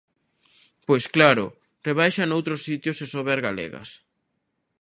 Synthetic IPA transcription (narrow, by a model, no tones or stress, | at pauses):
pojsklaɾʊ | reβ̞ajʃanowt̪ɾosit̪josesoβeɾɣalḛɣɐ̰s